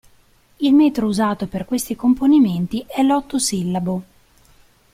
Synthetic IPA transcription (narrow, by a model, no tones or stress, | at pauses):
ilmeːt̪ɾouzaːt̪operkwest̪ikomponiment̪iɛlːɔt̪ːosilːabo